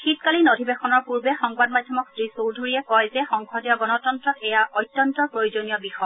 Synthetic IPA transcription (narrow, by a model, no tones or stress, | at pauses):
xitkalinodʱibexɔnɔɹpuɹbɛxɔŋbad̚madʱjɔmɔksɹisowɹdʱuɹiɛkɔjzɛxɔŋkʰɔdijɔɡɔnɔtɔntɹɔtɛjaʔɔjtːjɔntɔpɹojuzonijɔbixɔ